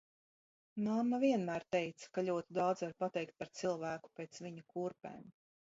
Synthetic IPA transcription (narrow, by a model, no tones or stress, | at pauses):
namːavʲiɛnmæːɾt̪ɛjt̪sḁkaʎʲuɔt̪id̪awd̪zaɾpat̪ɛjk̚t̪̚paɾt̪silˠvæːku̥peːt̪sviɲukuːɾpḛːm